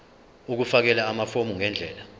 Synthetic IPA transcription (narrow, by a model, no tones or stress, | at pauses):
uk̬ufak̬ɛlaːmafomuŋɛnd͡ɮʱɛːla